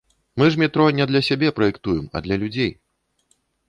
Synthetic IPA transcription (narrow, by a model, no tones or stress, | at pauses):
mɨʐmʲit̪ɾɔnʲɛd̪lʲɐsʲabʲɛpɾɐjɛkt̪ujɛmɐ̰d̪lʲɐlʲud͡zʲej